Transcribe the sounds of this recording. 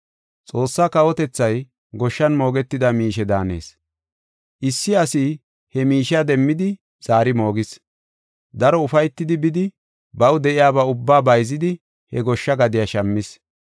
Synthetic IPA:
t͡sʼo̞ːsːaːkɐwɔt̪ɛt͡sːɐj | ɡɔʃːɐnmo̞ːɡɛt̪ːɪd̪ɐmiːʃɛd̪a̰ːne̞̰ːs | ʔɪsːɪɐsi | hɛmiːʃɐd̪ɛmːɪd̪ɪ | z̥aːɾɪmo̞ːɡɪs | d̪ɐɾɔʊfɐjt̪ːɪd̪ɪbɪd̪ɪ | bɐwd̪ɛʔɪjaːbaʊbːaːbɐjzɪd̪ɪ | hɛɡɔʃːɐɡɐd̪ɪjaʃɐmːɪs

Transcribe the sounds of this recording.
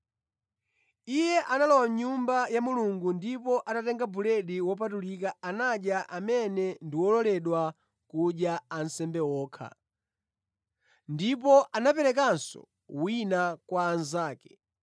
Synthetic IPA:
ijɛʔanalɔwamɲumbajamuluŋɡundipɔʔaɗatɛŋɡabulɛɗiwɔp̬atulikaanaɗjaʔamɛnɛndiwɔlɔlɛɗwa | kuɗjaan̩sɛmbɛwɔːkʰa̰ | ndipɔʔanapɛlɛk̬ansɔ̰ | winakwaːnzaːkɛ̥

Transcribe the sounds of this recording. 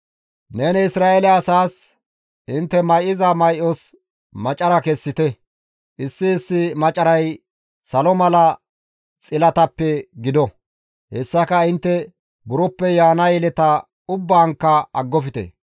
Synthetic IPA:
neːnɛɪsɾaːɛlɛɐsaːs | ɪnt̪ːɛmɐjʔɪzɐmɐjʔɔs | mɐt͡ʃʼɐɾɐkɛsːɪt̪ɛ | ʔɪsːɪːsːɪmɐt͡ʃʼɐɾɐj | sɐlɔmɐlɐ | t͡sʼɪlɐt̪ɐpːɛɡɪd̪ɔ | hɛsːɐkɐɪnt̪ːɛ | bʊɾɔpːɛjaːnɐjɛlɛt̪ɐ | ʊbːaːŋkːɐɐ̰ɡːɔfɪt̪ɛ̰

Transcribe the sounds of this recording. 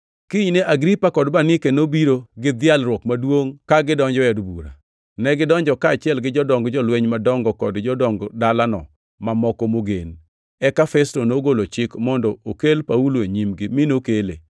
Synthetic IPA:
kɪɲneʔaɡɾipakɔdbanɪkenobiɾoɡɪd̪ɪalɾwɔkmadwoŋkaɡɪdɔɲd͡ʒɔɛdbuɾa̰ | nɛɡɪdɔɲd͡ʒɔkaːt͡ʃɪɛlɡɪd͡ʒɔdɔŋɡd͡ʒɔlweɲmadɔŋɡɔkɔdd͡ʒɔdɔŋɡdalanɔ̰ | mamɔkɔmoɡḛn | ɛkafɛstonoɡolot͡ʃɪkmɔndɔokelpauloeɲimɡɪmɪnokelḛ

